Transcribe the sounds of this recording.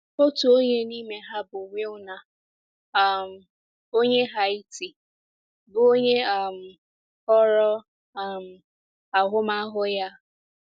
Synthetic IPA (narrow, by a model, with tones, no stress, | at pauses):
o˦tu˨o˦ɲe˦ni˦me˨ɦa˦bʊ˨ŋʷe˦ʊ˦na˨ | a˨m̩˨ | o˦ɲe˦ɦa˦i˦ti˨ | bo˦ɲe˦a˨m̩˨ | ɔ˦ɾɔ˦˨ | m̩˨ | a˨ɦʊ˦ma˦ɦʊ˦ja˦